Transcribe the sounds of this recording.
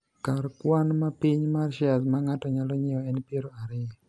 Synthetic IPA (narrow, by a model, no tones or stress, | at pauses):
karkwanmapiɲmarʃɪasmaŋatɔɲalɔɲɪɔɛnpjeɾoaɾɪɛ